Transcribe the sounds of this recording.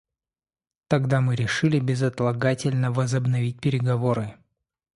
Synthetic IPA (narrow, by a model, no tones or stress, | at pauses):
t̪ɐɡd̪amɨɾʲɪʂɨlʲɪbʲɪzɐt̪lˠɐɡatʲɪlʲnəvəzəbnɐvʲit̚ʲpʲɪɾʲɪɡɐvo̞ɾɨ